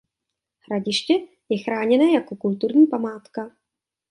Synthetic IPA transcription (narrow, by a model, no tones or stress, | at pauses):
hɾaɟɪʃcɛ | jɛxɾaːɲɛnɛːjakokult̪uɾɲiːpamaːt̪ka